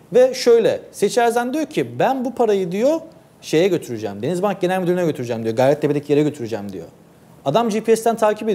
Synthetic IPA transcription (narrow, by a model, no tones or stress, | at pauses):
vɛʃø̞jlʲɛset͡ʃʰæɾzænd̪ijocʰibænbupʰaɾajɯd̪ijo̞ | ʃe̞jɛɟø̞t̪ʰyɾyd͡ʒɛ̰md̪enizbank̚ɟenælʲmyd̪yɾynɛɟøt̪ʰyɾyd͡ʒɛmd̪ijo̞ɡajɾɛt̪̚d̪eped̪ecʰje̞ɾɛɟø̞t̪ʰyɾyd͡ʒæmd̪ḭjo̰ | ad̪amd͡ʒiːpʰiɛst̪ænt̪ʰaːcʰipe